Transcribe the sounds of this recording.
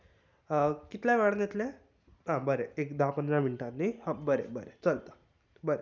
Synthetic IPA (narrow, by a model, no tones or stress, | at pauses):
kit̪lãʋɛɽnet̪lẽ | ɦãbəɾeekd̪apənd̪ɾamiɳʈanːihãbəɾḛbəɾet͡səlt̪ə̥ | bəɾe